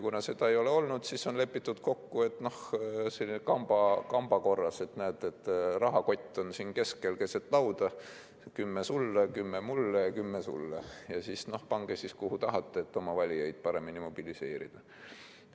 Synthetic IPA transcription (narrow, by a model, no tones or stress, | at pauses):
kunɑse̞d̪̥ɑe̞jo̞leo̞lnud̪̥siso̞nle̞pːˑit̪ːˑud̪̥ko̞kːue̞t̪ːˑno̞hselikɑmb̥ɑkɑmb̥ɑko̞rːɑse̞t̪næːt̪ːˑe̞t̪ːˑrɑɦɑko̞t̪ʲːˑo̞nsiːnke̞ske̞lke̞set̪ˑlɑwd̪ɑ | kymːesulːekymːemulːekymːesṵlːejɑsisno̞hpɑŋɡ̥esiskuhut̪ɑɦɑt̪ˑːeet̪ːo̞mɑvɑlʲijejd̪̥̚pɑɾe̞minimo̞b̥ilise̞ːɾḭd̪̥ɑ